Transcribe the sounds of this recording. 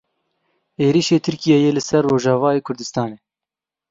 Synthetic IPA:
eːɾiʃeːt̪ʰɨɾkijɛjeːlɨsɛrːoːʒɑːvɑːeːkʰʊɾd̪ɨst̪ɑːneː

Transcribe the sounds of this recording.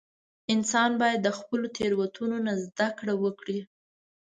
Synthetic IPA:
ɪnsɑnbɑjad̪ːəxpəlot̪ʰeɾwat̪ʰunonazd̪akɽawəkɽi

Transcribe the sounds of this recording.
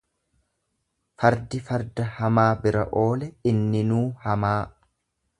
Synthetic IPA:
fɐɾd̪ɪfɐɾd̪ɐhɐmaːbɪɾɐ̰ʔo̞ːlɛɪnːɪnuːhɐmaː

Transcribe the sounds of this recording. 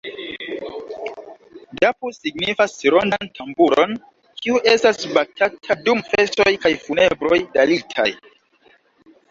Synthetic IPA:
dapusiɡnifasiɾondantʰambuɾo̞̰n | kʰiuʔe̞stasbatatʰadumfe̞so̞jkajfune̞bɾo̞jdalitʰa̰j

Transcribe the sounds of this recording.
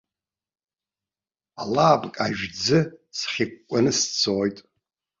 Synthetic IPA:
alaːbʼkʼaʒᶣd͡zɨsχʲɪkʷkʷʼanɨst͡sʰoːjtʼ

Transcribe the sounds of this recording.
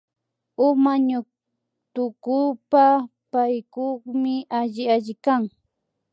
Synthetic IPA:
ʊmaɲʊ | t̪ʊkʊpapajkoχmɪaʎɪaʎɪkaŋ

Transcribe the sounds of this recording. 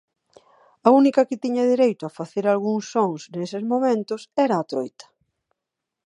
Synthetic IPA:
aunikɐkɪt̪iɲɐðiɾejt̪ʊafaθeɾalɣ̞uŋsːoŋsnesɪzmomẽnt̪ʊsɛɾɐːt̪ɾojt̪ɐ̥

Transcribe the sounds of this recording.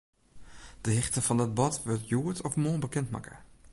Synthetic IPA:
d̥əɦɪxtəfɔndət̚bɔtʋøtjuətʰɔfmoːnbəkɛntma̰kə̰

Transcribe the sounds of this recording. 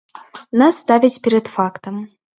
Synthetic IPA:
nasːt̪avʲit͡sʲpʲɛɾɛt̪fakt̪ɐm

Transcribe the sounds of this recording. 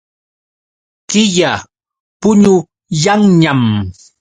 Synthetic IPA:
kɪja | pʊɲʊ | jaŋɲam

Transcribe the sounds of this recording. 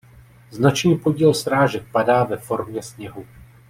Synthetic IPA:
znat͡ʃniːpo̞ɟiːlsɾaːʒɛk̚padaːvɛfo̞ɾmɲɛsɲɛɦu

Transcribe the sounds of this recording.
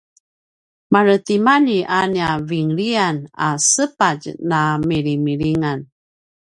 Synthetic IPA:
maɾət̪imaniʔaniaviŋɾiana̰səpad͡ʒnamiɾimiɾiŋan

